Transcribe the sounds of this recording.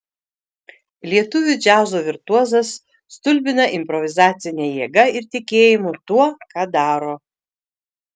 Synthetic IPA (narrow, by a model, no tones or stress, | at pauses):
lʲiɛt̪ʊʋʲʊd͡ʒʲæːzoːʋʲɪɾt̪uɔzɐsː | t̪ʊlʲbʲɪnɐʔɪmʲpɾɔʋʲɪzɑːt̪sʲɪnʲejiːɡɐɪɾt̪ʲɪkʲeːjɪmʊt̪uɔkɑːd̪ɑːɾoː